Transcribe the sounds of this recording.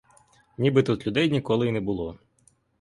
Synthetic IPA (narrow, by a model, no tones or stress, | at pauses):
nʲibɪt̪ut̪lʲʊd̪ɛjnʲikɔlˠɪinɛbʊlˠɔ